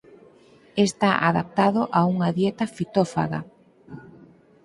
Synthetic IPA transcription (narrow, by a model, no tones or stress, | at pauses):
est̪aʔaðap̚t̪aðoʔauŋaðjet̪afit̪ofa̰ɣa̰